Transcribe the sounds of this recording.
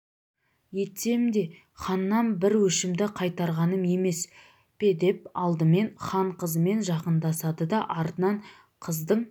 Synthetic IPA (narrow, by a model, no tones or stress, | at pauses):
je̞t̪ːemd̪e̞ | χɑnːɑnbɪɾwɵʃɪmd̪ɪqʰɑjt̪ɑɾʁɑnəme̞me̞s | pʰe̞d̪e̞p̚ɑlˠd̪əme̞nχɑɴqəzəme̞nʒɑqənd̪ɑsɑd̪əd̪ɑʔɑɾt̪ənɑɴ | qʰəzd̪əɴ